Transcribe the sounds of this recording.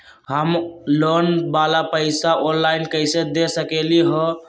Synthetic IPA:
ɦəmlonbalapəɪsaʔonlainkəɪsed̪esəkeliɦɔ̃

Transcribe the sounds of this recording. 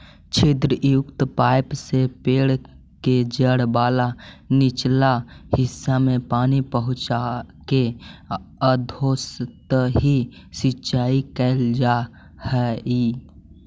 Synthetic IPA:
t͡ʃʰeːd̪ɾəʔjʊkt̪paːɪpsepeːɽ | ked͡ʒəɽbaːlanɪt͡ʃlahɪsːamẽpaːnipəɦʊ̃t͡ʃake | əd̪ʱoːst̪əɦisɪtːʃaːikəld͡ʒa | hɛi

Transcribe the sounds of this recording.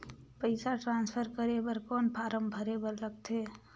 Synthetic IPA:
pəɪsaʈɾãnspʰəɾkəɾebəɾkɔːnpʰaɾəmbʱəɾebəɾɾəɡt̪ʰe

